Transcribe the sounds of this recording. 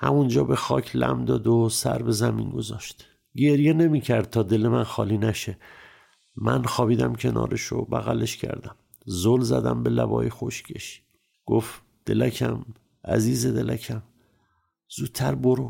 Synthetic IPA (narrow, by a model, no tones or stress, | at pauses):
hæmund͡ʒɒːbe̞xɒːcʰlæmd̪ɒːd̪osæɾbe̞zæmiːnɡo̞zɒːʃt̪ | ɟe̞ɾjene̞miːcʰæɾd̪̥̚t̪ʰɒːd̪e̞lemænxɒːliːnæʃe | mænxɒːbiːd̪æmcʲʰe̞nɒ̰ːɾeʃo̰bæɣæle̞ʃcʰæ̰ɾd̪æm | zolzæd̪æmbe̞læbɒ̰ːjixo̞ʃcʲʰeʃi̥ | ɡ̥of | d̪̥e̞læcʰæm | ʔæ̰ziːzed̪e̞lʔæcʰæm | z̥ud̪̚t̪ʰːæɾboɾo